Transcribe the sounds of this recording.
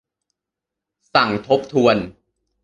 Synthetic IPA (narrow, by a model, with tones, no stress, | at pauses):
sa˨˩ŋt̪ʰo˦˥p̚t̪ʰu˧ən